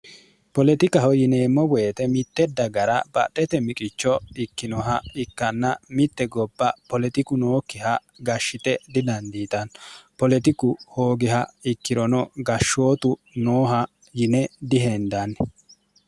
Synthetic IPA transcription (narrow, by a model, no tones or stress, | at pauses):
pɔlɛt̪ɪkɐɦɔjɪneːmːɔweːt̪ɛmɪt̪ːɛd̪ɐɡɐɾɐbɐ̰t̪ʼːɛt̪ɛmɪkʼɪt͡ʃːɔɪkːɪnɔɦɐɪkːɐnːɐmɪt̪ːɛɡɔbːɐpɔlɛt̪ɪkʊnoːkːɪhɐ | ɡɐʃːɪt̪ɛd̪ɪd̪ɐnd̪iːt̪ɐnpɔlɛt̪ɪkʊho̞ːɡɪɦɐɪkːɪɾɔnɔɡɐʃːo̞ːt̪ʊ | noːɦɐ | jɪnɛd̪ɪɦend̪anːɛ